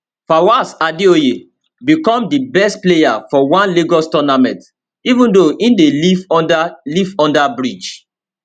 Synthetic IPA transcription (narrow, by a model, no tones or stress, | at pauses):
fawasadioje | bikɔ̃mdibɛstplejafɔwãnliɡɔstɔnamɛ̃nt | ivũndoʔĩndelivdalivɔ̃ndabɹid͡ʒ